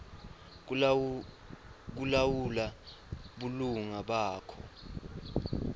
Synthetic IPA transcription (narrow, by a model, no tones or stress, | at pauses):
k̬ulawula | ɓuluŋaɓaːkʰɔ̰